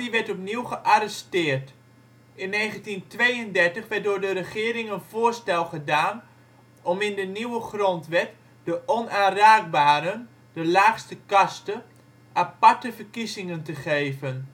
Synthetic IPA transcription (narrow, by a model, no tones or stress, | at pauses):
diʋɛɹtɔpniwχəʔaɾɛstɪːrt | ɪnːeːχəntintʋejəndɛɹtəχʋɛt̚dʊːɹdəɾəχɪːɾɪŋənv̥ʊːɹstɛlˠχədaːn | ɔmɪndəniwəχrɔntʋɛt | d̥əʔɔnaːnraːɡ̚baːɾən | dəlaːχstəkɑstə | ʔapaɹtəvəɹkizɪŋəntəχejvən